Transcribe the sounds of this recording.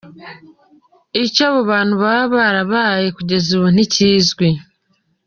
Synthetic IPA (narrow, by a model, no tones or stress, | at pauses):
icoβuβaːn̥huβaβaɾaβajekuɟe̞zuβon̥iciːzɡwi